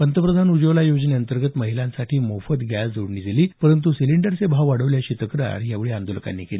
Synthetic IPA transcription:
pənt̪əpɾəd̪ʱanud͡ʑəʋlajod͡ʑneənt̪əɾɡət̪məɦilãnsaʈʰiːmofət̪ɡʱjad͡zoɽɳid͡zeliːpəɾənt̪̬usiliɳɖəɾsebʱaʋʋaɽəʋljaɕiːt̪əkɾə̰ɾijaʋɭiːand̪oləka̰nːḭːkeliː

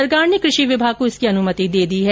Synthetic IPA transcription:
ɐɾɡaːɾnekɾɪʃiʋɪbʱaːɡ̚koɪskiɐnʊmət̪id̪eːd̪iɦɛ

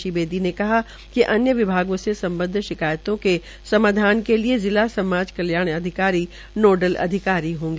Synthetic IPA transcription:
ʃibeːd̪inekɐɦa | kiʔɐnjəʋɪbʱaːɡõsesɐ̃mbə̃nd̪ʱʃɪkaːjt̪õke | sɐmaːd̪ʱaːnkeliezɪlasɐmaːd͡ʒkɐljaːɽ̃ɐd̪ʱɪkaːɾi | noːɖəlɐ̰d̪ʱɪkaːɾiɦõːŋɡeː

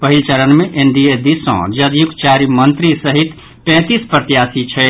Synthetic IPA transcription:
pəɦilt͡ʃəɾənmeʔeɳɖied̪isɔ̰̃d͡ʒəd̪juk̪t͡ʃaɾimənt̪ɾisəɦit̪ | pɛ̃t̪ispɾət̪ijasit͡ʃʰɛ

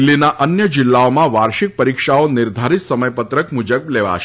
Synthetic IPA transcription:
lːinaʔənjəd͡ʒɪlːaomãʋaɾʃik̚pəɾikʃaonɪɾd̪ʱaɾit̪səməjpət̪ɾəkmud͡ʒəbleʋa̰ʃ

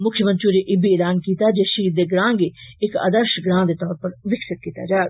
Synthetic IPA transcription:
mʊkʰːjəmɐ̃nt͡ʃuːɾeʔɪbieːlaːnkiːt̪ad͡ʒeːʃiːd̪eːɡɾãːŋɡeɪka̰d̪əɾʃɡɾãːd̪eːt̪ɔːɾpɐɾʋɪksət̪̚kiːt̪ad͡ʒaː

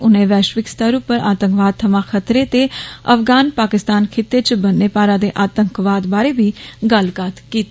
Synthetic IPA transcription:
ʊnẽːʋɛːʃʋɪkst̪əɾupːəɾaːt̪ə̃ŋkʋaːd̪̚t̪ʰəmãːkʰət̪ɾeːt̪eə̰fɡaːnpaːkɪst̪aːnkʰɪt̪ːet͡ʃbənːeːpaːɾãːd̪eːʔaːt̪əŋkʋaːd̪baːɾeːbiːɡəlkat̪kiːt̪ː

